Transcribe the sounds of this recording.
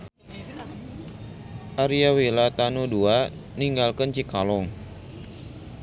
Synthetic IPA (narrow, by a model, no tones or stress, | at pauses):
ʔaɾiawilat̪anudua | niŋɡalkənt͡ʃikalɔŋ